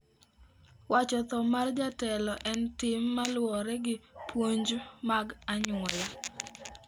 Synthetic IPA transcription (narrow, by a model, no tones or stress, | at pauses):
wat͡ʃɔt̪ɔmard͡ʒatɛlɔʔɛntɪmːalwɔɾɛɡɪpwoɲd͡ʒmaɡaɲʊɔla